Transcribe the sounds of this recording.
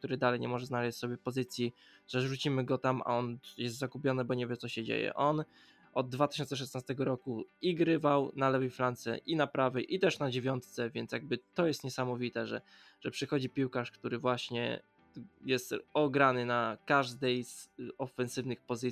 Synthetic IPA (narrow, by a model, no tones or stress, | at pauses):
kt̪uɾɘd̪alɛjɲɛmɔʐɛznalɛɕt͡ɕʲsɔbʲjɛpɔzɘt̪sʲji | ʐ̥ɛʐut͡ɕimɘɡɔt̪ama̰ɔnjɛs̬t̪zaɡupʲjɔnɘbɔɲɛvʲjɛt̪sɔɕɛd͡ʑḛjɛ̰ʔɔn | ɔd̪̚ːvat̪ɘ̥ɕɔnsɛʂ̬ɛsnast̪ɛɡɔɾɔkuiɡɾɘvawnalɛvɛjflant̪sɛ̰ʔinapɾavɛjʔit̪ɛʂnad͡ʑevʲjɔnt̪t̪sɛvʲjɛntsjaɡ̚bɘt̪ɔjɛst̪ɲɛsamɔvʲit̪ɛʐɛ̰ | ʐ̥ɛpʂɘxɔd͡ʑipʲiwkaʂkt̪uɾɘvwaɕɲɛ̰ | jɛst̪ɔɡɾanɘnakaʐd̪ɛjz̥ɔfɛnsɘvnɘxpɔzɘ